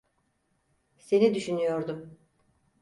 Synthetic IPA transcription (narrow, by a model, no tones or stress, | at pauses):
se̞nid̪yʃynyjo̞ɾd̪ʊ